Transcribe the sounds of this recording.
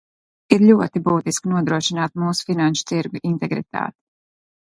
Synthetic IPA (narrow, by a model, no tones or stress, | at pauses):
iɾʎʲuɔt̪ibuːt̪isknuɔd̪ɾuɔʃinaːt̪muːsu̥finanʃu̥t̪siɾɡuʔint̪ɛɡɾḭt̪a̰ːt̪i̥